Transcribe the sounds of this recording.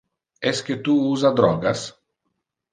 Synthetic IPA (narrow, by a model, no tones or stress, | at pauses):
ɛsket̪uuzad̪ɾɔɡas